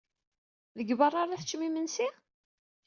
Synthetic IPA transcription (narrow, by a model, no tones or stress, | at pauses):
ðəɡbərˤːaɾˤiħt͡ʃːmimənsi